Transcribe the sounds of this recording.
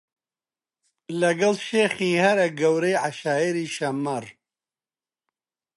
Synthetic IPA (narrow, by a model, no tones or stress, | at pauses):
lɐɡɐlʃeːxiːhɐɾɐɡɐwɾejʕaʃaːiɾiːʃɐmɐr